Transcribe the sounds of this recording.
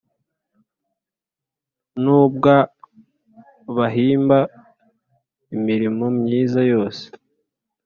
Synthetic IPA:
nuːbɡa | βaɦiːmba | imiɾimomɲiːzajo̞ːse̥

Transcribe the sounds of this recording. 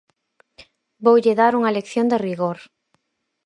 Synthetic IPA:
bowʎɪðaɾuŋɐlekθjond̪eriɣoɾ

